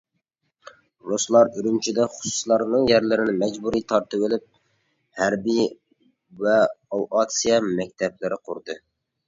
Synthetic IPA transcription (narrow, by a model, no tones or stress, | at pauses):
ɾoslˠɑɾyɾymt͡ʃʰid̪ɛχʊ̥su̥slˠɑɾnɨŋjæɾlɪɾɪnɪmɛd͡ʒbuɾit̪ʰɑɾt̪ɨwɪlɪp̚ | hæɾbi | vɛɑwʔɑt̪sijɑmɛk̚ʲt̪ʰɛplɪɾɪqʰʊ̰ɾd̪ɨ